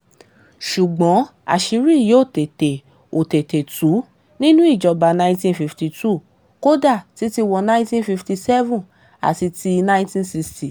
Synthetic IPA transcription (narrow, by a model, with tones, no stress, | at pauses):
ʃu˨ɡ͡bɔ̃˨˦a̰˨ʃi˧ɾi˦˨je˨o˦˨te˨te˨ | o˨te˨te˨tu˨˦ | nĩ˦nũ˦i˦˨d͡ʒɔ˧ba˧nã˧ĩntĩ˦nfi˧fti˧tu˦˨ | ko˦da˦˨ti˨˦ti˧wɔ˧nã˦ĩ˦tĩ˦nfi˧fti˧sɛ˦vũ˦˨ | a̰˨ti˧ti˧nã˦ĩ˦tĩ˦nsi˧ksti˨